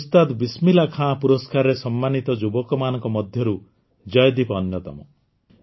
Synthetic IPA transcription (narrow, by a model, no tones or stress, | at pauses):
st̪ad̪bismilakʰãpuɾɔskaɾɔɾesɔmːanit̪ɔd͡ʒubɔkɔmanɔŋkɔmɔd̪ʱjɔɾu | d͡ʒɔjɔd̪ibɔːnjɔt̪ɔ̰mɔ̰